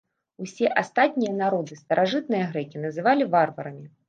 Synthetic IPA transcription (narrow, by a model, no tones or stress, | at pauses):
usʲɛʔast̪at̪ʲnʲijɐn̪aɾɔd̪ɨst̪ɐɾʔaʐɨt̪̚nɨjɐɣɾɛkʲinɐzɨvalʲivarvɐɾɐmʲi